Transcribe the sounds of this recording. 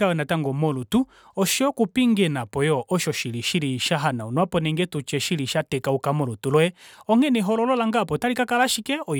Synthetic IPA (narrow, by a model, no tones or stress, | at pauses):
awɛnataŋɡɔmɔlutu | ɔʃiɔkupiŋɡɛnapɔjɔʔɔʃɔʃiliʃiliʃaɦanaunɔapɔnɛŋɡɛtut͡ʃɛʃiliʃatɛkaukamɔlutulwɛɔŋɛnɛɦɔlɔlɔlaŋɡapɔtalikakalaʃikɛɔ